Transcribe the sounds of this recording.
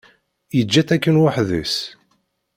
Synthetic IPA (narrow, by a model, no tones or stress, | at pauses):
jəd͡ʒːæθækːənwaħðə̰s